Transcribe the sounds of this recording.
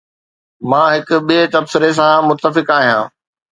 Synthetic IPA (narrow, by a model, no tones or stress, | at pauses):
mãːɦɪkʊ̆ɓiet̪ɐbsɪɾes̬ãmʊt̪ːəfɪkaːɦijãː